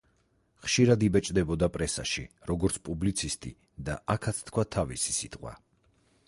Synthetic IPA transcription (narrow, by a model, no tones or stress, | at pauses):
χʃiɾad̪ibɛt͡ʃʼd̪ɛbɔd̪apʼɾɛsa̰ʃiɾɔɡɔɾt̪sʰpʼublit̪sʰist̪ʼḭ | d̪aʔakʰat̪sʰt̪kʰwat̪ʰavisi̥sit̪ʼqʼwa̰